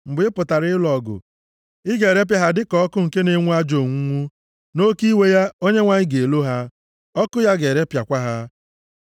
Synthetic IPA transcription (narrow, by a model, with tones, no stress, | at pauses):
m̩˨bɪ˨ɪ˦pʊ˨ta˨ɾɪ˦ɪ˦lɔ˨ɡʊ̰˨ | ɪ˦ɡe˨ɾe˦p̬ja˨ɦa˦dɪ˦kɔ˦kʊ˦ŋ̩˨ke˦ne˦ŋʷu˦a˦d͡ʒo˨ŋʷu˦ŋʷu˦ | no˦ki˦we˦ja˦o˦ɲe˦ŋʷa˨ɲɪ˦ɡe˨e˨lo˦ɦa˦ | ɔ˦kʊ˦ja˦ɡe˨ɾe˦pja˨kʷa˦ɦa˦